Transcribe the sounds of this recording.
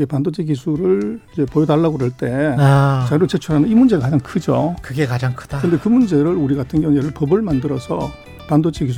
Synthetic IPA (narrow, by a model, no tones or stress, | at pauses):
ɡe̞pandod͡ʑʰik̬isʰuɾɯɭid͡ʑe̞pojʌdaɭːaɡodeɭt͈e̞at͡ɕaɾoɭt͡ɕet͡ɕʰuɾɦanɯnimund͡ʑe̞ɡakad͡ʑaŋkʰɯd͡ʑokɯɡekad͡ʑaŋkʰɯ̥d̥aɯnde̞kɯmund͡ʑe̞ɾɯɾuɾiɡatʰɯnɡeeɾɯɭpʌbɯɭmandɯɾʌsʰʌ | pandod͡ʑʰikis̬ʰ